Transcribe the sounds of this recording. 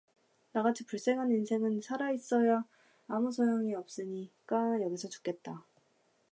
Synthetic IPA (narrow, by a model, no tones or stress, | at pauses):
naɡat͡ɕʰipuɭs͈e̞ŋɦaninsʰe̞ŋɯnsʰaɾais͈ʌjaː | musʰʌjoŋiʌp̚s͈ɯɲik͈ajʌɡisʰʌt͡ɕu̥k͈e̞t̚t͈a